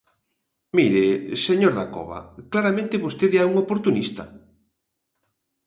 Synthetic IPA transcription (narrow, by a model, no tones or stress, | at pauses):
miɾeseɲoɾðakɔ̰βɐ̰klaɾamẽnt̪ɪβost̪eðeɛuŋopoɾt̪unist̪ɐ